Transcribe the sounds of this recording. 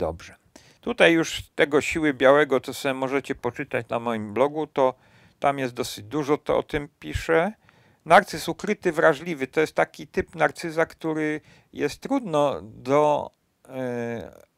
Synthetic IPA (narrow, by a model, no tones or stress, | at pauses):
d̪ɔ̰bʐɛ | t̪ut̪ajːuʂt̪ɛɡɔɕiwɘbʲjawɛɡɔt̪sɔsɛmɔʐɛt͡ɕɛpɔt͡ʂɘt̪at͡ɕnamɔjimblɔɡut̪ɔ | t̪amjɛst̪d̪ɔsɘd͡ʑd̪uʐɔt̪ɔ̰ɔ̰t̪ɘmpʲiʂɛ | naɾt̪sɘsukɾɘt̪ɘvɾaʐlʲivɘt̪ɔjɛst̪ːakʲit̪ɘpnaɾt̪sɘzakt̪uɾɘ | jɛst̪ːɾud̪nɔd̪ɔ